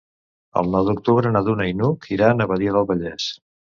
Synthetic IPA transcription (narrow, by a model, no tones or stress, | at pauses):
ə̰lˠnɔwðuk̚t̪uβɾənaðunainukʰiɾanəβəðiəðəlˠβəʎɛs